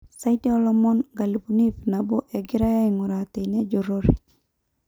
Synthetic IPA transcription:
sa˦itɛ˦ɔ˦lɔmɔnɡa˨li˨buni˦fnabo˦ʔɛɡɪ˦ɾa˦ja˦iŋuɾat̪e˨nɛ˦d͡ʒoɾoɾḛ˨d͡ʒ

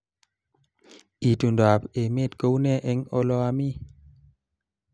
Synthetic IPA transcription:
i˨tu˨nda˨pe˨me˦˨t̚ko˦wne˦˨ʔe˨˦ŋo˧˦lɔ˧a˧mi˦

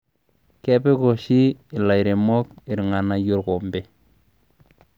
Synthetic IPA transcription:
kɛ˦pe˦ko˨ʃi˦ɪ˨la˨jɾe˨mɔ˦kɪ˨ɾŋa˨na˨jo˦ɾko˨mbe˨

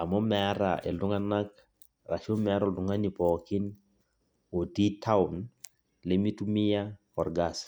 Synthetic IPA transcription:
a˨mɔ˦mɛ˨a˦ɾa̰ʔɛ̰˨ldu˦ŋa˦na˦k̚ | ra˨ʃo˦mɛ˨a˦ɾɔ˨ldu˨ŋa˦ni˨pɔ˨ki˦n | o˨ti˦tʰa˦un | lemi˦tumi˦jakɔ˨ɾɡas

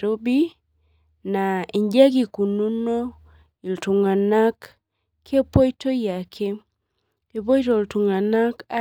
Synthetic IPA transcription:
ɾo˦bi˦ | na˨i˨ɲd͡ʒa˦ɡ̬i˨ku˨nu˦no˦ | i˨ltu˨ŋa˨na˦kʰː | e˦po˦jto˦ja˨kʰe˦ | ke˨p̬o˦jto˨ltu˨ŋa˨na˦ka˦

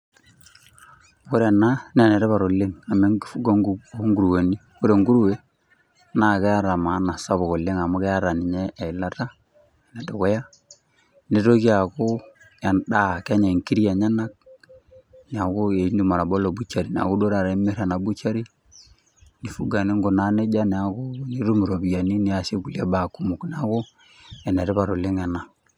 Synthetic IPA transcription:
ku˦ɾe˨na˦n˦a˨ne˨ɾɛ˦βa˨ɾo˨le˦ŋa˨me˦ŋɡi˨fu˦ɡa˦ŋɡu˦ŋɡu˨ɾu˨we˨ni˦ku˦ɾe˨ŋɡu˦ɾu˦we˨ | na˨ke˦a˦ɾa˨ma˨˦na˨sa˦βo˨ɣo˨le˦ŋa˨mu˦ke˦a˦ɾa˨ni˨ɲɛ˦ʔːla˦ta˦ | ne˨dɔ˨kɔ˦ja˦ | ne˨to˦ki˦a˨ko˦ | ja˨nda˦ka˦ɲe˨ŋki˦ɾi˦a˨ɲa˦na˦k̚ | ni˨a˨ko˦e˨i˦ndu˨ma˨ɾa˨bo˦lo˨bu˦t͡ʃa˨ɾi˨n˨a̰˨ɣu˦do˦ɾa˨ɾme˦ɾa˨na˨bu˦t͡ʃa˦ɾi˦ | ni˨fu˦ɡa˨ni˦ŋɡo˨na˦ne˦d͡ʒa˦ni˨a˨kʊ˦ni˨˦ɾu˦mu˨ɾo˨bi˨ja˨ni˦ni˨a˨se˦ku˨la˦ba˨ku˦mu˨kn˨a˦ko˦ | ɛ˨ne˨ɾɛ˦βa˨ɾo˨lɪ˦ŋɛ˨na˨

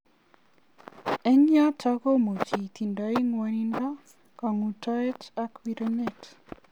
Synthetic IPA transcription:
ɛ˦ɲja˦tʰaɡo˦mo˨tʰi˨t̪i˨ndai˦ŋwaninda˦ | ka˨ŋu˨taɛtakwiɾɛnɛt

